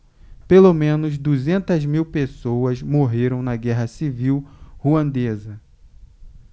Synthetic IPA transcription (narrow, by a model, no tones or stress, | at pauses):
pelomẽnʊzd̪uzẽnt̪ɐzmiwpesowɐzmoɦeɾɐ̃w̃nɐɡɛɦɐsiviwhuɐ̃nd̪ezɐ